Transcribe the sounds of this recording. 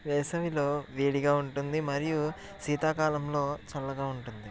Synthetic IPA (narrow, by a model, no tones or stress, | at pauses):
ʋɛjsɐʋilo̞ːʋeːɽiɡaːuɳʈund̪imɐɾiju | siːt̪aːkaːlɐmlo̞ːt͡ʃɐlːɐɡaːuɳʈund̪i